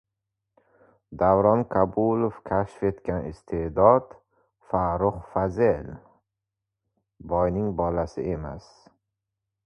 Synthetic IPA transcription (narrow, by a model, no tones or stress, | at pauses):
d̪avɾɒnkʰabulˠofkʲʰaʃfe̞t̪kʲanɪ̰st̪ʰed̪ɒd̪̥ | faɾʊχfazel | bɒjnɪŋbɒlasɪe̞ma̰s